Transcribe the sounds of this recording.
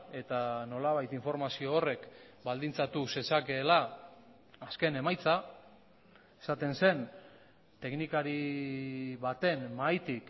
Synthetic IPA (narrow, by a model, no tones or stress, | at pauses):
e̞t̪ano̞laβajt̪iɱfo̞ɾmasio̞ːre̞kbald̪int͡sat̪use̞sake̞ːlaː | ske̞ne̞majt͡sa | esat̪e̞nse̞n | t̪e̞knikaɾi | βat̪e̞nmajt̪ik